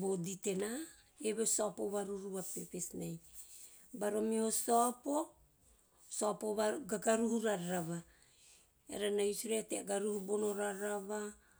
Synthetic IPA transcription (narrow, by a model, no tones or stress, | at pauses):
bodite̞na | eβesoapoβaɾuɾuβapepesnaj | baɾo̞mihosoapo | soapoβaɡaɡaɾuhuɾaɾaɾaβa | ḛɾanajusiɾeteaɡaɾuhubonoɾaɾaβa